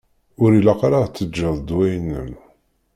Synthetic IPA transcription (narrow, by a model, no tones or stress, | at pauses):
ʊɾilaqɾˤaʁt͡sːəd͡ʒːəðˤd̪wæjnːə̰n